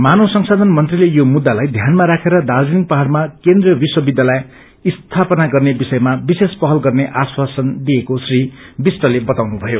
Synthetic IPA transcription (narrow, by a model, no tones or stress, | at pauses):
manosʌŋsad̪ʱʌnmʌnt̪rilejomud̪ːalajd̪ʱjanmaɾakʰeɾʌd̪ald͡ziniŋpaɦaɽmakend̪rijʌbiswʌbid̪jala | ist̪ʰapʌnaɡʌrnebisʌjmabisespʌɦʌlɡʌrneʔaswasʌnd̪iekosribisʈʌlebʌt̪awnubʱʌjo